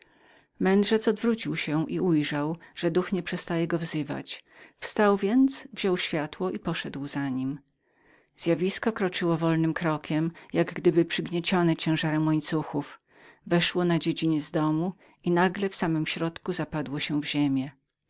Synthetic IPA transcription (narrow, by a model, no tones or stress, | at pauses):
mɛnd̪ʐɛt̪ɔd̪vɾut͡ɕiwɕɛʔiujʐawʐ̥ɛd̪uxɲɛpʂɛst̪ajɛɡɔvzɘva̰t͡ɕfst̪awvʲjɛnt̪zsvʑɔwɕfʲjat̪wɔʔipɔʂɛd̪wzaɲim | z̥ʲjavʲiskɔkɾɔt͡ʂɘwɔvɔlnɘmkɾɔkʲɛmjaɡɡd̪ɘbɘpʂɘɡɲɛt͡ɕɔnɛt͡ɕɛ̃w̃ʐaɾɛmwɔɲt̪suxuf | vɛʂwɔnad͡ʑed͡ʑiɲɛzd̪ɔmu | inaɡlɛfsamɘmɕɾɔt̪kuzapad̪wɔɕɛ̃vʑemʲjɛ